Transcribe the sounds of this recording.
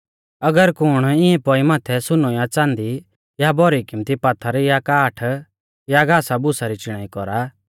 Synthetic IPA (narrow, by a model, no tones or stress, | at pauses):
ɐɡəɾkʊɽ̃ɪ̃ɛ̃pɔimaːt̪ʰɛsʊnojat͡sãːnd̪i | jabɔɾikɪmt̪ipaːt̪ʰːaɾjakaːʈʰ | jaɡaːsabʊsaɾit͡ʃɪɽ̃aːikɔɾa